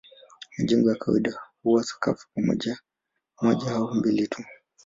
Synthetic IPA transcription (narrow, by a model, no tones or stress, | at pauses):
mad͡ʒiŋɡɛwakawaiɗahuwasḁka̰fu̥pamɔ̰ʄa | mɔʄahaumbilitʰu